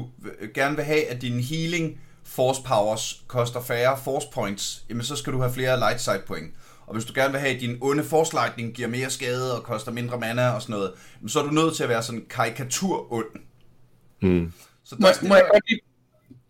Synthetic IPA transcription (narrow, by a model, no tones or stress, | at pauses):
uɡ̥æɐnəʋe̝ɦɛæd̥inɦiːle̝ŋ | fɒːspʰɑ̈ʊɐskʰɒ̽sd̥ɐfæːɐfɒːspʰɒ̽ɪnd̥sjæmensɒ̽sɡ̥æɾ̥uhæfle̝ːɐlɑ̈ɪd̥sɑ̈ɪd̥̚pʰɔ̽eŋə | ʔɒ̽ʋe̝sd̥uɡ̥æɐnʋe̝ɦɛ̰æd̥inɔ̽nəfɒːslɑ̈ɪ̰d̥̚ne̝ŋɡ̥iɐ̰me̝ːɐsɡ̥ɛːð̞̩ˠɒ̽kʰɒ̽sd̥ɐme̝nd̥ʁɐmænæɒ̽sɒ̽nɔ̽ːð̞̩ˠjæmensɒ̽æɐdunøð̞̰ˠt͡sʰe̝læʋæːɐsɒ̽nn̩kʰɑ̈ʁikʰæt͡sʰuɐ̰ɔ̽n̰ | sɒ̽jaɡ̥ɒi